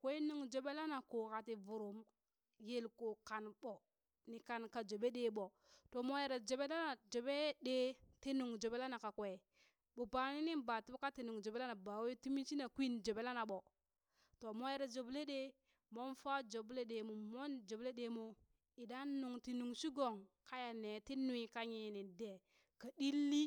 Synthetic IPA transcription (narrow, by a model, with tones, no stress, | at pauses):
kʷe˦nu˨ŋd͡ʒo˨ɓe˦la˦na˨ko˨ka˨ti˨vu˨ɾo˨m | je˦lko˨ka˨nɓo˨ | ni˨ka˨nka˨d͡ʒo˨be˦ɗe˦ɓo˨ | to˨mo˦je˨ɾa˨d͡ʒo˨be˦la˦na˨d͡ʒo˨be˦ɗe˦te˦nu˨ŋd͡ʒo˨be˦la˦na˨ka˨kʷe˨ | ɓo˨pa˨ni˦ni˦ba˨ti˦bo˦ka˦ti˨nu˨ŋd͡ʒo˨be˦la˦na˨ba˨we˦ti˦mi˦t͡ʃi˦na˨kʷi˦nd͡ʒo˨be˦la˦na˨ɓo˨ | to˨mo˦je˦ɾa˨d͡ʒo˨ble˦ɗe˦ | mo˦nfa˦d͡ʒo˨ble˦ɗe˨mo˨mo˦nd͡ʒo˨ble˦ɗe˨mo˨ | i˨da˦nu˨ŋti˨nu˨ŋʃi˦ɡo˨ŋka˦ja˨ne˨ti˦nu˦i˨ka˦ɲi˨ni˨de˨ | ka˨di˦lːi˦